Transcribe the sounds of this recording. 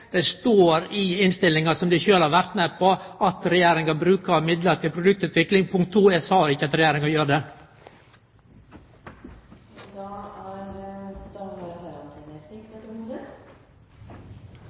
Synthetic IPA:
d̪̥ɛst̪oːɾɪɪnst̪ɪlːɪŋɑsɔmd̪æɪçøːlhɑɾʋæɾt̪mɛpʰːɔɑt̪ɾɛjæːɾɪŋɑbɾʉːkɑmɪd̪ləɾt̪ɪlpʰɾʊd̪ʉk̚t̪ʉːt̪ʰʋɪklɪŋpʰʊŋkt̪ʰːuːɛsɑːɔɾɪçːəɑt̪ɾɛjæːɾɪŋɑjøːɾəd̪ɛ | d̪ɑːæɾd̪ɑmhɾɑnt̪ʰɪnɛst̪ɪkɛt̪ɔmod̪ə

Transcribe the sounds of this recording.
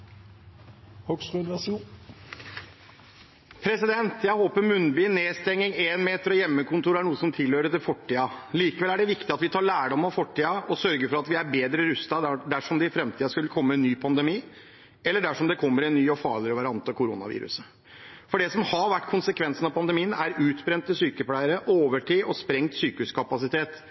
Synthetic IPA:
hɔksnʋɛs | pʰɾɛsɪd̪ɛnt̪jæɪhoːpəɾmʉnbyːneːst̪ɛŋːɪŋeːnmeːt̪əɾɔjɛmːəkʊnt̪uːɾæɳuːəsɔmt̪ʰɪlhøːɾət̪ɪlfɔʈʰːiːɑliːkəʋɛlæɖɛʋɪkt̪ɪɑt̪ʋɪt̪ʰɑːɭæːɖɔmːɑfɔʈʰːiːɑɔsœɾɡəɾfɔɾɑt̪ʋɪæɾbeːd̪ɾəɾʉst̪ɑd̪æʂɔmd̪ɛɪfɾɛmt̪ʰiːɑskʉlːəkʰɔmːəɛnːyːpʰɑnd̪əmiː | ɛlːəɖæʂɔmd̪ɛkʰɔmːəɾɛnːyːɔfɑ̰ːɭɪəəʋɑɾɪɑnt̪əkʰʊɾʊnɑ̰ʋḭːɾʉ̰sə | fɔɖɛsɔmhɑɾʋæʈːkʰʊnsəkʰʋɛnsənɑʋpʰɑnd̪əmiːənæɾʉːt̪bɾɛnt̪ːɪsyːkəplæɪəɾəʔoːʋəʈʰiːʔɔspɾɛŋt̪syːkəʉskʰɑpɑsɪt̪ʰeːt̪

